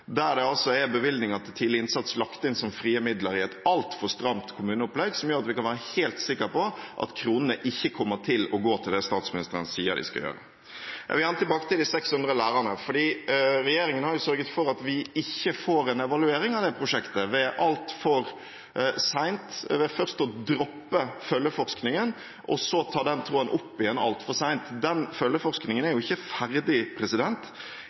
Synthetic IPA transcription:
d̪æɾɖ̪ɛɑlsɔɛbəʋɪld̪nɪŋɑt̪̚t̪ʰiːd̪lɪɪnsɑt̪slɑkt̪əɪnsɔmfɾiːəmɪd̪ləɾɪɛt̪ɑlt̪fɔɾst̪ɾɑmt̪kʰʊmʉːnəʊplɛɡsɔmjøːɾɑt̪ʋɪkɑnʋæːɾəheːlt̪sɪkːəɾpɔʔɑ̰t̪kʰɾuːnənəʔɪçːəkʰɔmːəʈ̪ʰɪlɔɡoːt̪ʰɪld̪ɛst̪ɑːt̪smɪnɪst̪əɾənəsiːə̰d̪ɪ̰skɑ̰jø̰ːɾə̰ | jɑ̰ʋɪɑnət̪ɪlbɑːkə̥t̪ɪld̪ɪsɛkshʉnd̪ɾəlæːɾənəfɔɖiːɾɛjeːɾɪŋənhɑɾjʊsœɾɡət̪fɔɾɑt̪ʋɪɪçːəfoːɾɛnɛʋɑlʉeːɾɪŋɑʋd̪ɛpʰɾʊʂɛkt̪əʋɛʔɑlt̪fɔɾ | sæɪnt̪ʋɛfœɾst̪ɔd̪ɾɔpːəfœlːəfɔɾsknɪŋən | ʔɔsɔt̪ʰɑːd̪ɛnt̪ʰɾoːənʔʊpːɪjɛnːɑ̰lt̪fɔʁsæɪnt̪d̪ɛnfœlːəfɔʁɾsknɪŋənæɾjʊɪçːəfæɾd̪ɪpʰɾɛsɪd̪ɛnt̪

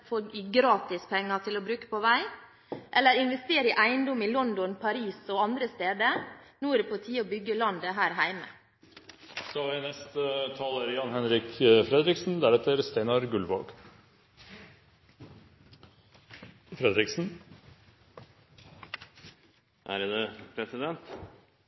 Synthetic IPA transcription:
foːɪɡɾɑːt̪ɪspʰɛŋːɑt̪ʰɪlɔbɾʉːkə̥pɔʋæɪ | ʔɛlːəɾɪnʋɛst̪eːɾɪʔæɪənd̪ɔmɪlɔnd̪ɔnpʰɑɾiːsɔɑnd̪ɾəst̪eːd̪ənuːɾɔpʰʊlt̪ʰiːəɔbʏɡəlɑnd̪əɦæːɾɦæɪmə̰ | sɔɑʋɪnɛst̪ət̪ʰɑːləɾjɑnhɛnɾɪkfɾɛd̪ɾɪksn̩d̪æɾɛt̪əɾst̪æɪnɑɾɡʉlʋo̰ːɡ | fɾɛd̪ɾɪksn̩ | ʔæɾjd̪ɛpʰɾɛsɪd̪ɛnt̪

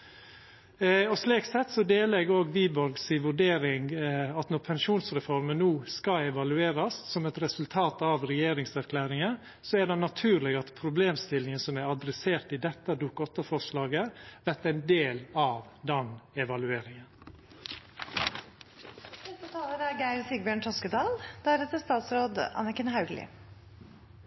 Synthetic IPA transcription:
ɔsliːksɛt̪ːsɔd̪eːlɛɡoːɡʋiːbɔɾɡsɪʋʉɖeːɾɪŋɡɑt̪nɔɾpʰɛnʃuːnsɾɛfɔɾmənnːuːskɑɛʋɑlʉeːɾɑsːɔmɛt̪ɾɛsʉlt̪ʰɑːt̪ɑʋɾɛjeːɾɪŋsæɾkʰlæːɾɪŋə | sɔæɖɛnɑt̪ʰʉːɾlɛɡɑt̪pʰɾʊbleːmst̪ɪlɪŋənsɔmæɾɑd̪ɾɛseːɾt̪ɪd̪ɛt̪ːəd̪uːkɔt̪ːəfɔʂlɑːɡəʋæɾt̪æɪnd̪eːlɑʋd̪ɛnɛʋɑlʉeːɾɪŋən | hɛst̪ət̪ʰɑːləɾæɾɡæɪɾsiɡbjøːɳt̪ʰɔskəd̪ɑːld̪̥æɾɛt̪əst̪ɑːt̪sɾoːd̪ɑ̰nəkənhɑʉɡlɪ̰

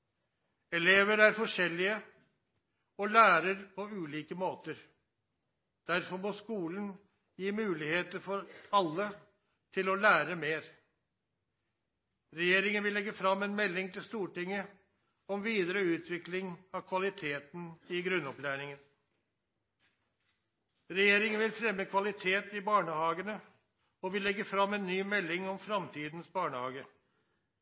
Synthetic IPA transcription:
ɛleːʋəɾæɾfɔʂɛlːɪə | ɔlæːɾəɾpʰɔʉːliːkəmoːt̪əɾ | d̪̥æɾfɔɾmɔːskuːln̩ | jiːmʉːlɪheːt̪əɾfɔɾɑlːə | t̪ʰɪlɔlæːɾəmeːɾ | ɾɛjeːɾɪŋənʋɪlɛɡːəfɾɑmːɛnmɛlːɪŋt̪ʰɪlst̪uːʈɪŋːə | ɔmʋiːd̪əɾəʉːt̪ʰʋɪklɪŋɑkʰʋɑlɪt̪ʰeːt̪n̩ɪɡɾʉnːɔplæːɾɪŋən | ɾɛjeːɾɪŋənʋɪlfɾɛmːəkʰʋɑlɪt̪ʰeːt̪ɪbɑːɳəhɑːɡənə | ɔʋɪlːɛɡəfɾɑmːɛnːyːmɛlːɪŋɔmfɾɑmt̪ʰiːd̪n̩sbɑːɳəhɑːɡə

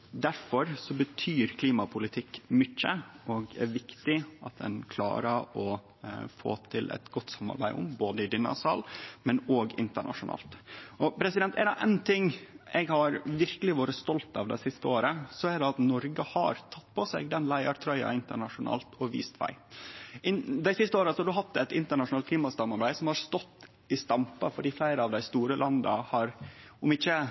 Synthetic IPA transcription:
d̪æɾfɔɾsɔbət̪ʰyːɾkʰliːmɑpʰʊlɪt̪ʰɪkːmʏçːəɔɡɛ̰ɾʋɪkt̪ɪɑt̪̚d̪ɛ̰nkʰlɑ̰ːɾəɾɔ | fo̰ːt̪ʰɪlʔɛ̰t̪ɡɔt̪ːsɑmːɑ̰ɾbæɪʊ̰mboːd̪əɪd̪ɪnːɑ̰sɑlmɛnoɡɪnt̪əɳʔɑ̰ʂʊnɑ̰ːlt̪ʔɔpʰɾɛsɪd̪ɛnt̪ɛ̰ɾd̪ɛʔɛnt̪ʰɪŋːʔɛɡhɑɾʋɪɾkəlɪʋoːɾəst̪ɔlt̪ɑʋd̪æ̰ɪsɪst̪əoːɾəsɔæɖɛɑt̪nɔɾɡəhɑ̰ɾt̪ʰɑt̪ːpʰɔsɛ̰ɡd̪ɛnlæɪɑɾt̪ʰɾœʏɑ̰ɪnt̪əɳɑʂʊnɑ̰ːlt̪ʰɔʋḭːst̪ʋæ̰ɪɪnd̪æɪsɪst̪əoːɾəsɔhɑɖ̪ʉɦɑt̪ːɛt̪ɪnt̪əɳɑʂʊnɑːl̚kʰliːmɑsɑmːɑɾbæɪsɔmhɑɾst̪ɔt̪ː | ɪst̪ɑmpɑfɔɖiːflæɪɾəɑʋd̪æɪst̪uːɾəlʔɑnd̪ɑ̰hɑɾʊmɪçːə

